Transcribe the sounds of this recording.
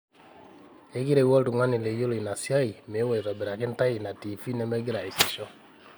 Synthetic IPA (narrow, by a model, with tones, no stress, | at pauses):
e˦ki˦ɾɛ˨wɔ˦ltu˨ŋa˦ni˨le˨jo˦li˨na˨sja˦i˨me˨˦wɔ˨i˨ɾɔ˨bɛ˨ɾa˨kɪ˦nta˦i˨na˨tiː˨fi˦nɛ˦mɛ˦ɡi˦ɾa˨i˨si˨ʃɔ˦